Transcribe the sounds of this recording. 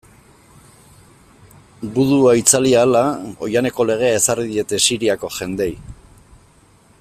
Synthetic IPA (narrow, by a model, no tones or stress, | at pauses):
buðuait͡saliaːlao̞̰jane̞ko̞le̞ɣ̞e̞ae̞saɾðie̞t̪e̞siɾiako̞ʝe̞nd̪e̞j